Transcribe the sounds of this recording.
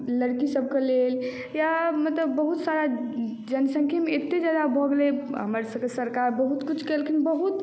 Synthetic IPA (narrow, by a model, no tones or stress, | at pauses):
ləɾkisəb̚kelel | jamət̪ləbːəɦut̪saɾa | d͡ʒənsə̃ŋkʰemeet̪ːed͡ʒad̪abʱɔɡeleɦə̰məɾsəbkesəɾkaɾbəɦut̪kut͡ʃʰkelkinbəɦut̪